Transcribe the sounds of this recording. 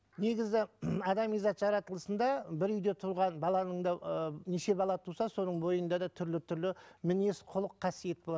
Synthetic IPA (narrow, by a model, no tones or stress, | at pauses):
ne̞ɡʲɪzɪɑd̪ɑmijzɑt̪ʒɑɾɑt̪əlˠəsənd̪ɑbɪɾʏjd̪e̞t̪ʰʊɾʁɑnbɑlˠɑnəɴd̪ɑneʃe̞bɑlˠɑt̪ʰusɑso̞nəɴbo̞jənd̪ɑd̪ɑt̪ʰʏɾlɪt̪ʰʏɾlɪmɪne̞sqʰʊlˠəqʰːɑsije̞t̪̚bo̞lˠɑ